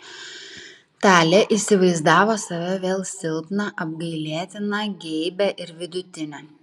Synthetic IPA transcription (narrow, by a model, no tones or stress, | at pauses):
t̪ɑːlʲeʔisʲɪʋɐɪzd̪ɑːʋoːsɐʋʲɛʋʲeːlˠsʲɪlˠpnɑʔɐb̚ɡɐɪlʲeːt̪ʲɪnɐɡʲɛɪbʲɛʔɪɾʋʲɪd̪ʊt̪ʲɪnʲɛ